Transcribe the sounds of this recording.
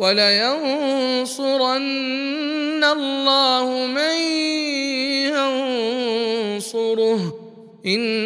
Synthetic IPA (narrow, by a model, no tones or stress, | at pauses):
walajan | sʊɾanː | alːɑːhʊmaj | jan | sʊɾʊh | ʔɪn